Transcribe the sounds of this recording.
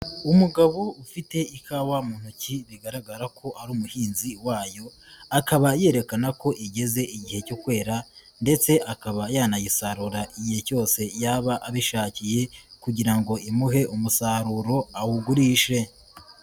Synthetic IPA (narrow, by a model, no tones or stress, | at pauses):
umuɡaβoufite̞ikʰawamuːn̥huciβiɡaɾaɡaɾakʰo̞ʔaɾuːmuhiːnziwaːjo̞ | akaβaje̞ːɾe̞kanako̞ʔiɟe̞ze̞ʔiɟihe̞cokwe̞ːɾa | nde̞t͡se̞ʔakaβajaːnajisaɾuɾaʔijeco̞ːse̞jaːβaʔaβiʃaːcije̞kuɟiɾaŋɡo̞ʔimuɦe̞ʔumusaɾuɾo̞awuɡuɾiːʃe̞